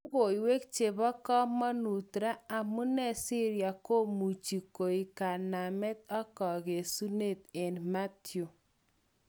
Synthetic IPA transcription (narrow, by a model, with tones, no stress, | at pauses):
u˦ɣo˨i˨we˦kt͡ʃe˨βɔ˦kɔ˦mɔ˦nu˨tɾa˦a˨mu˦nɛ˦˨si˦ɾja˨ko˦mu˨t͡ʃi˨ko˨i˨ka˨na˨mɛ˦t̪̚ɔ˦kɔ˨ɣe˨su˦ne˦˨t̪ɛ˨nma˦tjo˨